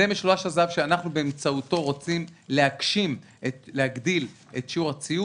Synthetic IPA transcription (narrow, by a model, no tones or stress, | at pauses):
emeʃloaʃazavʃeanaχnubeemt͡sauto̞ʁot͡simlehakʃim | etleaɡd̪il | etʃiuʁat͡siju